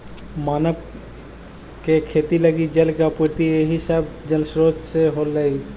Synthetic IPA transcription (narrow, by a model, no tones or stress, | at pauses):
maːnəb | kekʰeːt̪iləɡid͡ʒəlkapuɾt̪ieɦisəbd͡ʒəlsɾoːsseɦoːlːəi